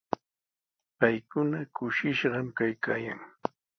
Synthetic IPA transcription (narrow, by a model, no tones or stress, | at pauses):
pajkʊnakʊʃɪʃɢɑmkajkaːjaŋ